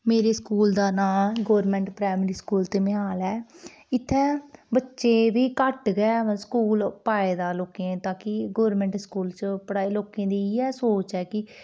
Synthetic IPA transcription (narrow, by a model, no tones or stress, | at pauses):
meːɾeːskuːld̪aːnaːɡoːɾmɛ̃ːɳʈpɾaːmɾiːskuːlt̪eːmɪɦaːlɛː | ɪt̪ʰːɛ̃ːbətːʃeːd̪iːkəʈɡɛskuːlpaːeːd̪aːloːkẽːt̪ãːkɪɡoːɾmɛ̃ːɳʈskuːlt͡ʃəpəɽaːiːloːkẽːd̪iːɛːsoːt͡ʃɛːkɪ